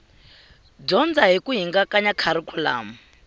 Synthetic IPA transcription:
b͡ʐɔnd͡zaɦikuɦiŋɡakaɲakʰaɾikʰula̰ːmu

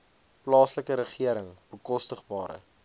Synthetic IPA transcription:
plɑːsləkəɾəχiəɾəŋb̥əkɔstəχbɑːɾə̰

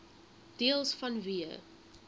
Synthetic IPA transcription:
d̥iəlˠsfɐnviə̰

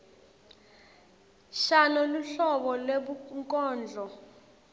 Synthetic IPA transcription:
ʃanɔluɬɔɓɔleɓuŋkʼɔːnd͡ɮʱɔ

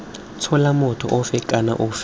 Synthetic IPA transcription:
t͡sʰɔlamɔtʰɔ̰ʔɔfɛkʼana̰ʔɔf

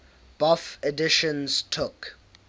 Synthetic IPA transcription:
b̥ʌfɛdɪʃɔ̃nz̥tʰʊk

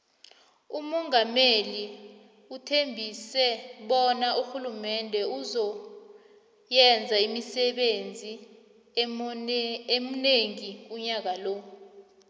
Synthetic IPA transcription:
umɔŋameli | utʰembʱisɛɓɔnaʔuxulumɛndʱɛuzɔ | jɛnd͡zʱaimisɛɓend͡zʱi | emuneŋiuɲak̬alɔ

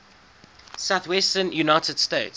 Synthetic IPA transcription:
saʊθwɛstənjunaɪtəd̥steɪts

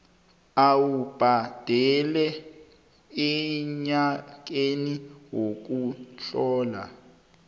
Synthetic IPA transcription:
awub̥ʱad̥ʱɛlɛ | ɛɲak̬eniwok̬uɬɔːla̰

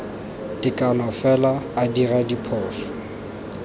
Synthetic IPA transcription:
tʼɪkʼanɔfɛlaːdiradipʰɔːsɔ̥

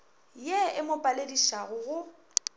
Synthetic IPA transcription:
jeɪmʊpʼalediʃaɣʊɣʊ

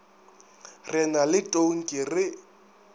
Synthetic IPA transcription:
rɪnalɪtʼoŋ̩kʼɪrɪ

